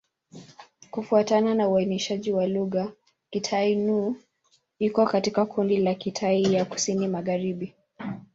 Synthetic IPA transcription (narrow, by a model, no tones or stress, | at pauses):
kufuatananauainiʃaʄiwaluɣa | kitʰainu | ikɔkatikakʰundilakitʰaijaku̥sinimaɣaɾiɓi